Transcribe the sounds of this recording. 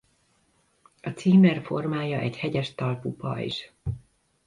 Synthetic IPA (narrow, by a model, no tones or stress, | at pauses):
ɒt̪siːmɛrfo̞rmaːjɒʔɛɟhɛɟɛʃt̪ɒlpupɒ̰ḭʃ